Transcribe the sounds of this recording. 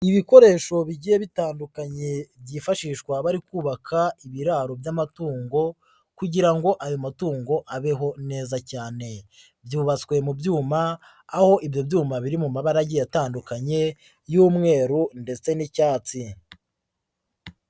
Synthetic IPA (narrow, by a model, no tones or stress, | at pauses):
iβiko̞ɾe̞ːʃo̞βiɟijeβitaːndukaɲe̞bjiːfaʃiːʃkwaβaɾikuːβakʰaiβiɾaːɾobjamatuːŋɡo̞ | kuɟiɾaŋɡo̞ʔajo̞matuːŋɡo̞ʔaβeɦo̞ne̞ːzacaːne̞ | bjuːβat͡skwe̞mubjuːmaː | ho̞ʔibjo̞bjuːmaβiɾimumaβaɾaɟejataːndukaɲe̞ | juːmŋe̞ːɾunde̞t͡se̞nicaːt͡si